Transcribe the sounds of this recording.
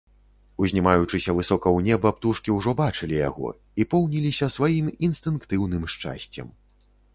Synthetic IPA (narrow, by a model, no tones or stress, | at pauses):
uzʲnʲimajut͡ʂɨsʲɐvɨsɔkɐwnʲɛbɐpt̪uʂkʲiwʐɔbat͡ʂɨlʲija̰ɣɔ̰ | ipɔwnʲilʲisʲɐsvajiminst̪ɨnkt̪ɨwnɨmʂt͡ʂa̰sʲt͡sʲɐ̰m